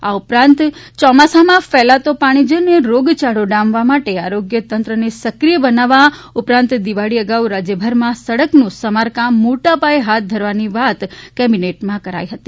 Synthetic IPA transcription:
aupɾãnt̪t͡ʃɔmasamãfɛlat̪opaɽ̃id͡ʒəneɾoɡt͡ʃaɽoɖãmʋamaʈeaɾoɡjət̪ənt̪ɾənesəkɾijəbənaʋa | ʊpɾãnt̪d̪iʋaɽiəɡaʋɾad͡ʒjəbʱəɾmãsəɽəknũsəmaɾkãmːoʈapajeɦat̪̚d̪ʱəɾʋaniʋat̪kɛbineʈmãkəɾa̰jɦət̪i

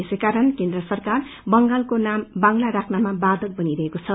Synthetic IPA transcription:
esejkaɾʌnkend̪rʌsʌrkar | bʌŋɡalkonambaŋlaɾakʰnamabad̪ʌk̚bʌniɾʌɦekot͡sʰʌ

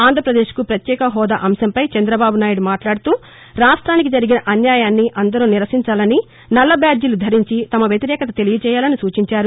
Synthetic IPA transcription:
aːnd̪ʱɾɐpɾɐd̪eːʃkupɾɐt̪jɛːkɐɦɔːd̪aʔɐmʃɐmpɐjt͡ʃɐnd̪ɾɐbaːbunaːjuɽumaːʈlaːɽut̪uː | ɾaːʂʈɾaːnikid͡ʒɐɾiɡinɐʔɐnjaːjaːnːiʔɐnd̪ɐɾuːniɾɐsiɲt͡ʃaːlɐni | nɐlːɐbjaːd͡ʒulud̪ʱɐɾiɲt͡ʃit̪ɐmɐʋjɐt̪iɾɛːkɐt̪ɐt̪e̞lijɐt͡ʃɛːjaːlɐnisuːt͡ʃiɲt͡ʃaːɾu

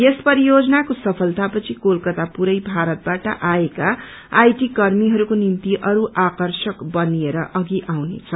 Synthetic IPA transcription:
jespʌɾijod͡zʌnakosʌpʰʌlt̪apʌt͡sʰikolkʌt̪apuɾʌjbʱaɾʌt̪̚baʈʌ̰ʔaekaː | jʈikʌrmiɦʌɾukonimt̪iʔʌɾuʔakʌrsʌkbʌnieɾʌʔʌɡiʔawnḛt͡sʰʌ

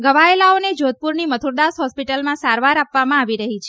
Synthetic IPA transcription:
ɡəʋaelaoned͡ʒod̪̚puɾnimət̪ʰuɾd̪asɦɔspiʈəlmãsaɾʋaɾapʋamãaʋiɾəɦit͡ʃʰe

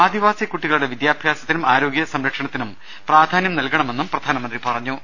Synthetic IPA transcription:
aːd̪iʋaːsjɐkːuʈːiɣɐɭuɽe̞ʋid̪jaːbʱjaːsɐt̪ːinumaːɾo̞ːɡjɐsɐmɾɐkʂɐɳɐt̪ːinum | praːd̪ʱaːnjɐmnɐlkɐɳɐme̞nːumprɐd̪ʱaːnɐmɐnd̪ripɐrɐɲːu

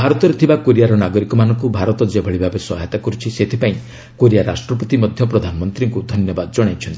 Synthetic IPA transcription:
bʱaɾɔt̪ɔɾet̪ʰibakoɾijaɾɔnaɡɔɾikɔmanɔŋkubʱaɾɔt̪ɔd͡ʒebʱɔɭibʱabeswɔɦat̪akɔɾut͡ʃʰiset̪ʰipaĩi | koɾijaɾasʈɾɔpɔt̪imɔd̪ʱjɔpɾɔd̪ʱanɔmɔnt̪ɾiŋkud̪ʱɔnjɔbad̪ɔd͡ʒɔɽ̃ajt͡ʃʰɔnt̪ii

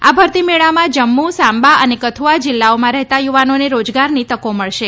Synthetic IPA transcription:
abʱəɾt̪imeɭamãd͡ʒəmːũsãmbaənekət̪ʰuʋad͡ʒɪlːaomãɾɛɦt̪ajuʋanoneɾod͡ʒɡaɾnit̪əkoməɭʃe

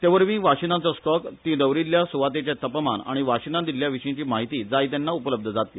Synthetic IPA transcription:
t̪jaʋəɾmĩːʋaɕinat͡sɔsʈɔkt̪ĩd̪əʋwɾiljasuʋat̪et͡ɕjat̪əpma̰na̰ɽ̃iʋaʂinad̪iljaʋiʂĩt͡ɕiːmaɦit̪iːd͡zajt̪janːaupələb̚d̪ʱəd͡zat̪i

